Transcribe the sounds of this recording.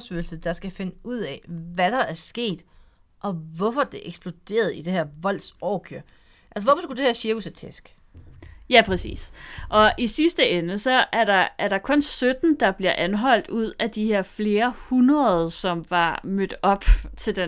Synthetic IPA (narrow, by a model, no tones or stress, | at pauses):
sølsəd̥ɑ̈sɡ̥æfe̝nəuð̰ˠɛʋæd̥ɑ̈æɐsɡ̥e̝̰ːd̥ | ʔɒ̽ʋɒfɒd̥e̝ʔeɡ̥sb̥lo̝d̥e̝̰ːɐð̩ˠid̥e̝hæɐ̰ʋɒ̽l̰̥sɒːkʰøɐ̰ | ʔælsəʋɒfɒ̽sɡ̥ud̥e̝hæɐɕiɐɡ̥usæt͡sʰesɡ̥ | jæpʰʁɛsḭːsʔɒ̽ʔisisd̥əenəsɒ̽ʔæɐɾɑ̈æɐɾ̥ɑ̈kʰɔ̽nsød̥n̩d̥ɑ̈b̥liɐʔænɦɒ̽l̰d̥uð̞̰ˠæd̥iheɐfle̝ːɐhunʁɐðˠsɒ̽mʋɑ̈mød̥ɒ̽b̥t͡sʰe̝ld̥e